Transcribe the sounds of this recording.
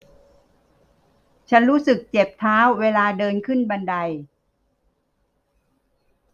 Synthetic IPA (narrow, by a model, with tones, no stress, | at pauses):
t͡ɕʰa˦˥nɾuː˦˥sɯ˨˩k̚t͡ɕe˨˩p̚t̪ʰaː˦˥wːeː˧laː˧dɤː˧nkʰɯ˥˩nba˧nda˧j